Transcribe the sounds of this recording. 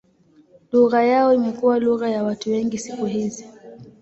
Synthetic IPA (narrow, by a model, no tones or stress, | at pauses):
luɣajaɔimɛkuwaluɣajawatuwɛŋɡisikuɦizi